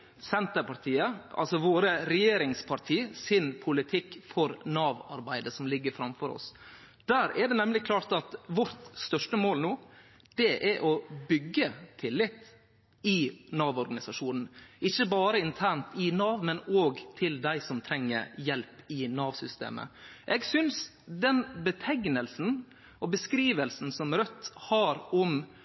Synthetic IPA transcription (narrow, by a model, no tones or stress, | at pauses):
sɛnt̪əɾpʰɑɾt̪ʰiːəɑ̰lsɔʋoːɾəɾɛjeːɾɪŋspʰɑɾt̪ʰiːsɪnpʰʊlɪt̪ʰɪkːfɔɾnɑːʋɑ̰ɾbæɪd̪əsɔmlɪɡːəɾfɾɑmfɔɾɔ̰s | d̪̥æːɾɛɖɛnɛmlɪkʰlɑːɾt̪ɑt̪ʋɔɾt̪st̪œʂʈəmoːlnoː | d̪̥ɛʔɛʔɔbʏɡːət̪ʰɪlːɪt̪ː | ɪnɑːʋɔɾɡɑnɪsɑʂuːnn̩ɪçːəbɑːɾəɪnt̪ʰæɳt̪ɪnɑːʋmɛnoːɡt̪ʰɪld̪æɪsɔmt̪ʰɾɛŋːə̰ɾjɛlpɪnɑːʋsʏst̪ḛːmə̰ʔɛɡsʏns | d̪ɛnbət̪ʰɛŋnəlsn̩ | ʔɔbəskɾiːʋəlsn̩sɔmɾœt̪ːhɑɾɔm